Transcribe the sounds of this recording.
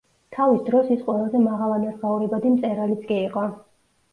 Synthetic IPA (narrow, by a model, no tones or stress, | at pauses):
t̪ʰavisd̪ɾɔsisqʼwɛlˠazɛmaʁalˠanaɾbauɾɛbad̪imt̪sʼɛɾalit̪sʰkʼiiqʼɔ